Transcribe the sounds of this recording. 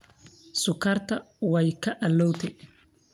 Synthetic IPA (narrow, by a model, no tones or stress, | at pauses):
sʊkʰɐrt̪ʰɐ | wɛjkʰɐʔɐlɔwt̪ʰɛ